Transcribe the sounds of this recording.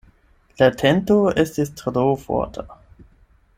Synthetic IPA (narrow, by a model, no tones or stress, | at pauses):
latʰɛntoestistʰdoːfɔ̰ɐtʰa